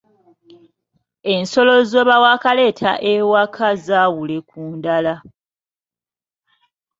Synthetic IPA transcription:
e̞nso̞lo̞zoːβawakale̞ːtʰa̰ʔewakʰazaːwule̞kuːndala

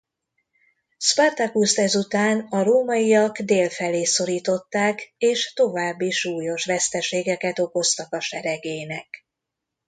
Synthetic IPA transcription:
spart̪akust̪ɛzut̪aːnɒɾoːmɒijɒɡd̪eːlfɛleːso̞ɾiːt̪o̞t̪ːaːkeːʃt̪o̞vaːbːiʃuːjo̞ʃʋɛst̪ɛʃeːɡɛkɛt̪o̞ko̞st̪ɒkɒʃɛɾɛɡeːnɛk

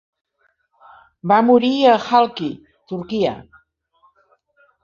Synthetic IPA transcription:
bamuɾiəxalˠki | t̪uɾkiə̰

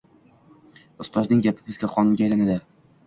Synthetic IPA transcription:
ʊst̪ʰɒznɪŋɡʲapʰɪ̥bɪzɡʲaqʰɒnʊnɡʲaelanad̪ɪ

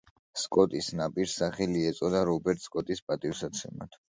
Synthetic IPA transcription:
skʼɔt̪ʼisnapʼiɾsaχɛliɛt̪sʼɔd̪aɾɔbɛɾt̪ʰskʼɔt̪ʼispʼat̪ʼifsat̪sʰɛma̰t̪ʰ

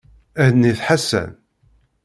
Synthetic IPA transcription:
æðniθħasːæ̰n

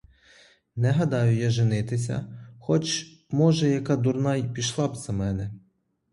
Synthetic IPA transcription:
nɛɦɐd̪ɑjʊjaʒɪnɪt̪ɪsʲɐ̰xɔt͡ʃ | mɔʒɛjɐkɑd̪ʊrnɑjpʲiʃlˠɑbz̥ɐmɛnɛ

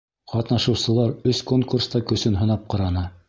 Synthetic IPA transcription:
qɑt̪nɑʃɤ̆wsɤ̆lˠɑɾɵskoŋkurst̪ɑkɵ̆sɵnɦɤ̆nɑp̚qɑɾɑnɤ

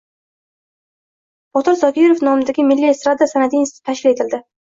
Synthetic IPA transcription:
b̥ɒt̪ʰɪɾzɒkʲʰijɾofnɒmɪd̪aɡʲɪmɪlːiest̪ɾad̪asanad̪inst̪ɪ̥t̪ʰaʃkʲɪle̞t̪ʰɪld̪ɪ

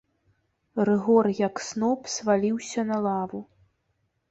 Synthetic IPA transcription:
rɨɣɔrjɐksnɔpsvalʲiwsʲɐnɐlˠavu

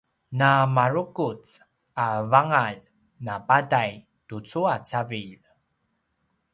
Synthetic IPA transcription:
namaɾukut͡s | avaŋaʎ | napadaj | tut͡suat͡saviʎ

